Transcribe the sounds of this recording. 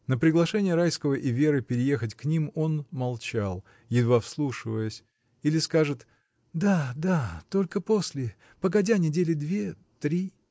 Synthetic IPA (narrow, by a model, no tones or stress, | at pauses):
nəpɾʲɪɡlˠɐʂɛnʲɪjəɾajskəvəʔɪvʲe̞ɾɨpʲɪɾʲɪje̞xətʲknʲimo̞nmɐlˠt͡ɕalˠ | jɪd̪vafslˠuʂɨvəjəsʲ | ilʲɪskaʐɨt̪ | d̪ad̪at̪o̞lʲkəpo̞sʲlʲɪ | pəɡɐdʲanʲɪdʲelʲɪd̪vʲe | t̪ɾʲi